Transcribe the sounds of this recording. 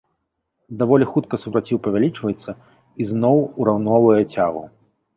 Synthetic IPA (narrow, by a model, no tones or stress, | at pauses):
d̪avɔlʲixut̪̚kɐsupɾat͡sʲiwpɐvʲalʲit͡ʂvɐjɛt̪sːɐ | iznɔwuɾawnɔvɐjɐt͡sʲaɣṵ